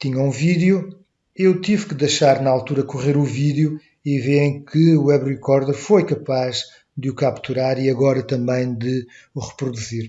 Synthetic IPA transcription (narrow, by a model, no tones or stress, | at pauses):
t̪iɲɐũviðju | ewt̪ivkɨðejʃaɾnɐalˠt̪uɾɐkuʁeɾuviðju | iveɾẽj̃kʰɨuɛβʁikɔɾðɛɾfojkɐpaʒ | d̪ɨukapt̪uɾaɾiɐɣɔɾɐt̪ɐ̃mbɐ̃j̃d̪ɨ | uʁɨpɾuðuziɾ